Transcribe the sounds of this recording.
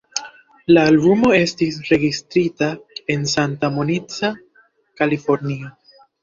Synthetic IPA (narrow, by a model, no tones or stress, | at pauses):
laːlbumo̞e̞stisɾe̞ɡistɾitae̞nsantamonit͡sa | kalifo̞ɾnia